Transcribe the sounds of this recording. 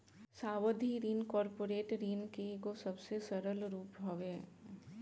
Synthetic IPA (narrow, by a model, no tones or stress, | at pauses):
saːʋəd̪ʱiɾiːnkɔːɾpoːɾeːʈɾiːnkekosɐbsesɐɾəlɾuːpɦoʋeː